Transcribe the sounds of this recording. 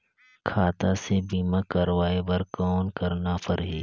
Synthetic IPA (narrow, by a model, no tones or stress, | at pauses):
kʰaːt̪asebiːmãkɐɾʋaːebɐɾkɔːnkɐɾnapʰɐɾɦiː